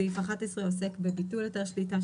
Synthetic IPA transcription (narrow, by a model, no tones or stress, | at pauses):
ifaχat̪esʁeose̞kbebituljot̪eʁʃlita